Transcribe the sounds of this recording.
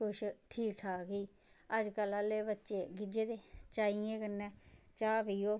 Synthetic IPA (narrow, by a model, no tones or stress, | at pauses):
kʊʃʈʰiːʈʰaːɡiː | əd͡ʒkəlãːleːbətːʃeːɡɪd͡ʒeːd̪eːt͡ʃaːiẽːkənːɛːt͡ʃaːpiːoː